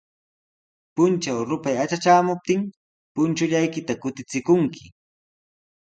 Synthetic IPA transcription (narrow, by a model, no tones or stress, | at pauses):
pʊnt͡ʃawɾʊpajat͡ʃat͡ʃaːmʊp̚t̪ɪŋ | pʊnt͡ʃʊʎajkɪt̪akʊt̪ɪt͡sɪkʊŋkʰɪ